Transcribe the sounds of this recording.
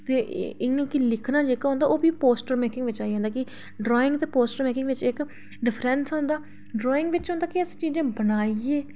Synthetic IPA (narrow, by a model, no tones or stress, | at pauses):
t̪eːʔɪŋãːkilɪkʰnaːd͡ʒeːkaːɦʊ̃ːnd̪aːʔoːbiːpoːsʈəɾmeːkɪ̃ŋɡʋɪt͡ʃaːiɦɛ̃nd̪aːkɪ | ɖɾɔːɪ̃ŋɡt̪eːpoːsʈəɾmeːkɪŋɡʋɪt͡ʃɪk | ɖɪpʰɾɛ̃ːnsɦõːnd̪aː | ɖɾɔːɪ̃ŋɡʋɪt͡ʃɦõːnd̪aːkɪəst͡ʃiːd͡ʒẽːbənaːieː